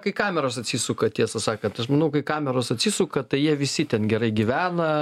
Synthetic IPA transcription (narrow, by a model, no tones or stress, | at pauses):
kɐɪkɑːmʲɛɾoːsɐtʲsʲisuːkɐt̪ʲiɛsɐsɑːkɐnt̪ɐʃmɐnɐʊkɐɪkɑːmʲɛɾoːsɐt̪ʲsʲisuːkɐt̪ɐɪjiɛʋʲɪsʲɪt̪ʲɛnɡʲɛɾɐɪɡʲiʋʲæːnɐ